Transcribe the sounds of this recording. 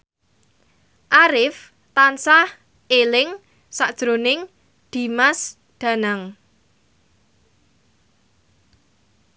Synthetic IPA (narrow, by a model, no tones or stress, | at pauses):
ʔaɾɪf | t̪ansah | elɪŋ | sad̥ʒ̥ɾonɪŋ | d̪̥i̤mas | d̪̥ä̤naŋ